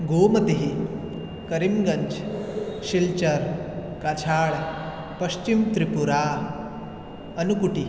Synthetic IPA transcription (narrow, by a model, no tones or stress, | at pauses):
ɡoːmɐt̪eɦi | kɐɾimɡɐɲt͡ʃʃilt͡ʃɐɾkat͡ʃʰaːɭ | pɐɕt͡ʃimt̪ɾipuɾaː | ɐnukuʈi